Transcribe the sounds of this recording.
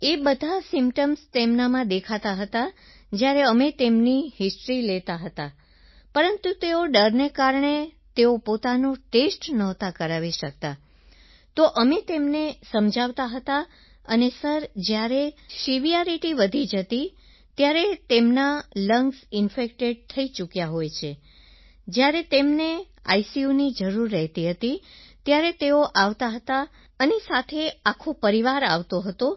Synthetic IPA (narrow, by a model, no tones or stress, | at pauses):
ebəd̪ʱasɪmpʈəmst̪emnamãd̪ekʰat̪aɦət̪a | d͡ʒjaɾeəmet̪emniɦɪsʈɾilet̪aɦət̪a | pəɾənt̪ut̪eoɖəɾnekaɾɳe | t̪eopot̪anoʈesʈnɔɦt̪akəɾaʋiʃək̚t̪a | t̪oʔəmet̪emnesəmd͡ʒʱaʋt̪aɦət̪a | ənesəɾd͡ʒjaɾesiʋijaɾiʈiʋəd̪ʱid͡ʒət̪i | t̪jaɾet̪emnaləŋɡsɪnfekʈeɖ̚t̪ʰəit͡ʃukjaɦojt͡ʃʰe | d͡ʒjaɾet̪emne | a̰isiunid͡ʒəɾuɾːəɦt̪iɦət̪it̪jaɾet̪eoʔaʋt̪aɦət̪a | ənesat̪ʰeakʰopəɾiʋaɾa̰ʋt̪oɦət̪o